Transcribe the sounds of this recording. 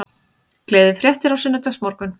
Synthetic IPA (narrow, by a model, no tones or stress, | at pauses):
kleːðɪfɾjɛht̪ɪɾawsɪnːʏt̪asmɔɾkʏn